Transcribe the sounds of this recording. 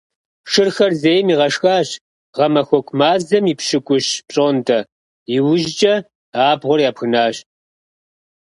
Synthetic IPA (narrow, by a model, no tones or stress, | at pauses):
ʂɨrxɐrzejmiːʁɐʂxaːɕ | ʁɐmɐxʷɔkʷʰʼmaːzɐmiːpʃɨkʷʼʊɕpɕʼoːntʰɐ | jɪwʊʒt͡ʃʼɐ | aːbʁʷɔrjaːpxɨnaːɕ